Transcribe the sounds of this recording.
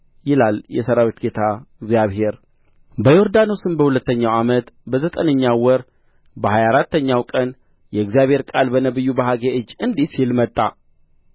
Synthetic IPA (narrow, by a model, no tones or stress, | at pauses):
jɪlaljɛsəɾawet̪ɡe̞t̪ʰaɨɡzijaβɦe̞ɾ | bəjoɾd̪ano̞sɨnbəhulət̪ːəɲːawamət̪bəzət̪ʼənəɲːawɔɾ | bəhajaɾat̪ʰːəɲːawkʼən | jɛɨɡzijaβhe̞ɾkʼalbənəβɨjːubaɦaɡeʔɨd͡ʒːɨnd̪isilmət̪ʼːa